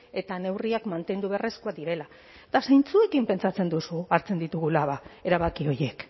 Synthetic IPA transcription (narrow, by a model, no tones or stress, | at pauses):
e̞t̪ane̞wriakmant̪e̞nd̪uβere̞skuad̪iɾe̞la | t̪asajnt͡sue̞kimpe̞nt͡sat͡se̞nd̪usuaɾt͡se̞nd̪it̪uɣ̞ulaβae̞ɾaβakio̞je̞k